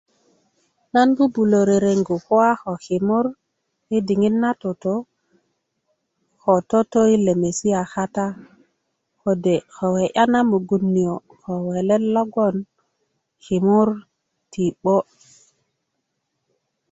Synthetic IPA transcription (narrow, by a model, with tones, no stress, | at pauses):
na˦nbu˦bu˨lo˨ɾe˨ɾe˨ŋɡu˨ko˦wa˦xo˨hi˨mu˦ɾ | i˦di˨ŋi˦nːa˦to˨to˦ | xo˨to˦to˦i˦le˨me˨si˦a˨xa˦ta˦ | ko˨de˨xo˨we˨ʔa˦na˦mu˨ɡu˨nːi˨o˨ | xo˨we˨le˦lo˦ɡo˦n | xi˨mu˦ɾ | ti˨ɓo˦